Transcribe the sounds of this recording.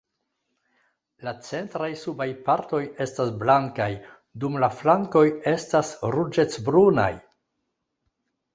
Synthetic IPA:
lat͡se̞ntɾajsubajpaɾto̞je̞stasblaŋkaj | dumlaflaŋko̞je̞stasɾud͡ʒe̞t͡sbɾuna̰j

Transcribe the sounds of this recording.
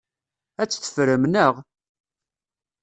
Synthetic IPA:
æt͡sːθə̥fɾəmnəʁ

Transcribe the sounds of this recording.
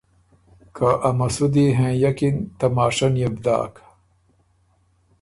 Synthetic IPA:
kʰaʔɐmɐsud̪iɦẽːjɐkint̪ɐmaːʂɐnjɐbd̪a̰ːkḁ

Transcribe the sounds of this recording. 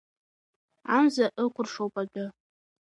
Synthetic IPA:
amzaʔɨkʷʰʊrʂowpʼaɡʲɪ

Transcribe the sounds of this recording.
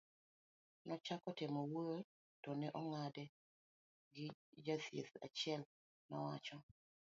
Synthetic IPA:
nɔt͡ʃakɔtemowot | tɔnɛʔɔŋadɛ | ɡɪd͡ʒasḛθa̰t͡ʃɪɛl | nɔwa̰t͡ʃɔ

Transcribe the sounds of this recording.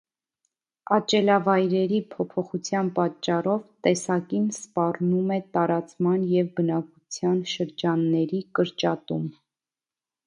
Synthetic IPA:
ɑt͡ʃɛlɑvɑjɾɛɾipʰɔpʰɔχut͡sʰjɑnpɑt͡ʃːɑrɔvt̪ɛsɑkinspɑrnumɛt̪ɑɾɑt͡smɑnjɛvbənɑkut͡sʰjɑnʃəɾd͡ʒɑnːɛɾikəɾt͡ʃɑt̪um

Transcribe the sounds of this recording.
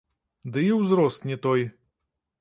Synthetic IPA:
d̪ɨiwzɾɔst̪nʲɛt̪ɔj

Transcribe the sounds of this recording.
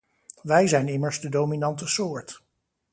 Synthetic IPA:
ʋɛjzɛjnɪməɹzdədowminɑntəsʊːɹt

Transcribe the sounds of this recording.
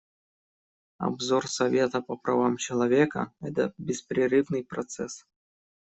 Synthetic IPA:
ɐ̰bzorsɐvʲet̪əpəpɾɐ̰vamt͡ɕɪlˠɐvʲekə̰ɛt̪əbʲɪspɾʲɪɾɨvnɨjpɾɐt̪sɛs

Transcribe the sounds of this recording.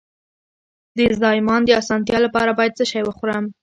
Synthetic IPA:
d̪əzd̪ɑjɪmɑnd̪əɑsɑnt̪̬jɑlapɑɾabɑjad̪zəʃajwəxɾəm

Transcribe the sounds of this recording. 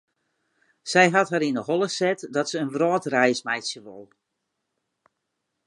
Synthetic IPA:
sɛjɦɑtɦaɾindəɦɔlˠəsɛtdɔtsəənʋrɔːtrɛjsmɛjtsjəʋo̰lˠ

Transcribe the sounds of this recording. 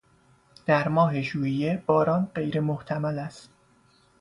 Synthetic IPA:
d̪̥æɾmɒːɦe̞ʃuːijeb̥ɒːɾɒːnɢe̞jɾe̞moht̪ʰæmælæst̪

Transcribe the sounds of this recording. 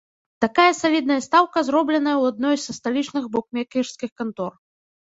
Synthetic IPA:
t̪akajɐsalʲid̪nɐjɐst̪awkɐzɾɔblʲɛnɐjɐwad̪̚nɔjsːɐst̪alʲit͡ʂnɨɣbɔkmʲɛkʲirskʲixkant̪ɔr

